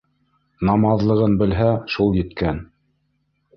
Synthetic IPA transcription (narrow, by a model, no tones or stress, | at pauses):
nɑmɑðlˠɤ̆ʁɤnbɘ̆lɦæʃulˠjɘ̆t̪kæn